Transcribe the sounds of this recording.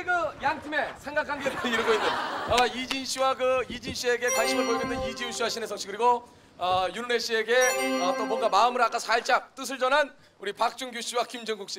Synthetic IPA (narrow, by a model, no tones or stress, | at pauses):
eɡɯjaŋtʰime̞sʰe̞ŋɡakʰanɡeiɾɯɡoinːɯnʌid͡ʑinɕʰiwaɡɯid͡ʑinɕʰie̞ɡe̞tanɕʰinɯɭpoɭdendenid͡ʑiuɕʰiwaɕʰinesʰʌŋɕʰikɯɾiɡo | ʌjuɭne̞ɕ͈ʰie̞ɡe̞ʌt͈omwʌŋɡamaɯmɯɾak͈asʰaɭt͡ɕ͈ak̚t͈ɯs̬ʰɯɭd͡ʑʌnɦan | uɾipak̚t͡ɕ͈uŋɡjuɕʰiwakimd͡ʑɯŋɡuk̚ɕ͈i